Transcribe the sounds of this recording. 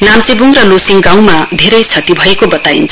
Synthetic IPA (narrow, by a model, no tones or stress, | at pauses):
namt͡sebuŋrʌlosiŋɡãw̃mad̪ʱeɾʌjt͡sʰʌt̪ibʱʌekobʌt̪ajḭnt͡sʰ